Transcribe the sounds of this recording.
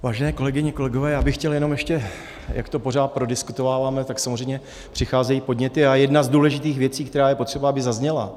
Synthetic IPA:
vaːʒɛnɛːko̞lɛɡɪɲɛko̞lɛɡovɛːjaːbɪxcɛljɛno̞mjɛʃcɛ | jʔa̰kt̪o̞po̞raːt̪̚pɾo̞dɪskut̪o̞vaːvaːmɛt̪aksamozrɛjmɲɛ | pr̝̥ɪxaːzɛjiːpo̞dɲɛt̪ɪajɛdnazduːlɛʒɪt̪iːxvjɛt͡siːkt̪ɛɾaːjɛpo̞t̪r̥ɛbaabɪzazɲɛla̰

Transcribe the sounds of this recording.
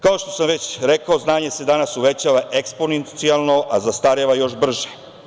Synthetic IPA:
kao̞ʃt̪o̞̥samʋet͡ɕɾekaoznaːɲe̞se̞d̪anasuʋe̞t͡ɕaʋaʔeksponent̪sialˠno̞ʔazast̪aɾeʋajo̞ʃbr̩ʒe̥

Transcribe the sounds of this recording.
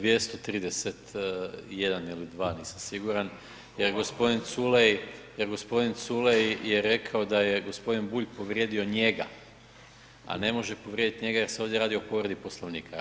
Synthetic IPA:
ʋje̞st̪ot̪ɾiːd̪eset̪jed̪anilid̪ʋaːniːsamsiɡuɾan | jeɾɡo̞spo̞d̪int̪sulejjeɾɡo̞spo̞d̪int̪sulejjeɾe̞kʰaod̪ajeɡo̞spo̞d̪inbuʎʲpo̞ʋɾjed̪io̞ɲe̞ɡa̰ | a̰ne̞mo̞ʒe̞po̞ʋɾʲjed̪it̪ɲe̞ɡaje̞ɾseo̞ʋd̪ʲjeɾaːd̪io̞po̞ʋɾed̪iposlˠoʋniːkʰa

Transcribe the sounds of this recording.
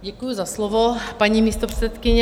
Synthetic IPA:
ɟɛkujuzaslɔʋopaɲimiːst̪opr̥ɛ̥t͡sɛt̪kɪɲɛ

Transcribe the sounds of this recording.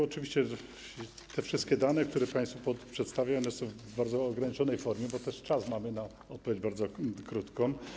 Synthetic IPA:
ɔt͡ʂɘvʲiɕt͡ɕɛ | t̪ʰɛfʂɨst̪̚kʲɛd̪anɛk̚t̪uɾɛpaj̃st̪fupɔpʂɛt̪st̪avʲjaɔnɛsɔ̃w̃v | baɾd̪zɔːɡɾaɲit͡ʂɔnɛjfɔɾmʲjɛbɔt̪ɛʂt͡ʂasmamɘna | ɔt̪̚pɔvʲed͡ʑbaɾd̪ɔkɾut̪kɔ̃m

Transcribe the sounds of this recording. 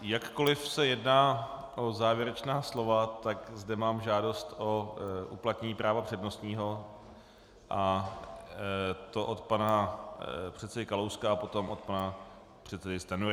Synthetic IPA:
jakːo̞lɪfsɛjɛdnaːʔo̞zaːvjɛɾɛt͡ʃnaːslo̞vat̪akzdɛmaːmʒaːdo̞st̪ʔoʔuplat̪ɲɛɲiːpɾaːvapr̝̥ɛdno̞st̪ɲiːɦo̞ | ʔa | t̪o̞ʔot̪pana | pr̝̥ɛt̪sɛdɪkalowskaːpo̞t̪o̞mʔot̪pana | pr̥ɛt̪sɛdɪst̪anuɾ

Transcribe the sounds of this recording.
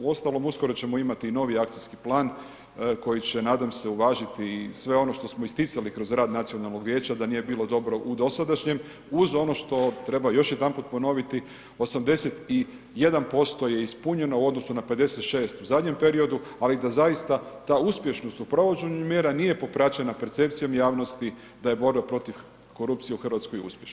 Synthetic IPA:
uo̞st̪alo̞musko̞ɾot͡ɕe̞mo̞imat̪iːno̞ʋiakt̪siskiplˠaːn | ko̞jit͡ɕe̞naːd̪amse̞uʋaːʒit̪isʋe̞o̞no̞ʃt̪o̞smo̞ist̪itsalikɾo̞zɾaːd̪nat̪sio̞nalˠno̞ɡʋjeːt͡ɕad̪aniːje̞biːlˠo̞d̪o̞bɾo̞ʔud̪o̞sad̪aʃɲe̞m | uzo̞no̞ʃt̪o̞t̪ɾe̞bajo̞ʃjed̪anput̪po̞no̞ʋit̪i | o̞samd̪e̞set̪i | je̞d̪anpo̞st̪o̞je̞ispuɲe̞no̞uo̞d̪no̞sunape̞d̪e̞set̪ʃe̞ːst̪uzad̪ɲe̞mpe̞ɾio̞d̪ualid̪azajist̪at̪aːuspje̞ʃno̞st̪upɾo̞ʋot͡ɕeɲumjeːɾanije̞po̞pɾat͡ɕenape̞ɾt̪se̞p̚t̪sijo̞mjaːʋno̞st̪i | d̪aje̞bo̞ɾbapɾo̞t̪iʋ | ko̞ɾup̚t̪sije̞uxr̩ʋat̪sko̞jṵspʲjeʃn

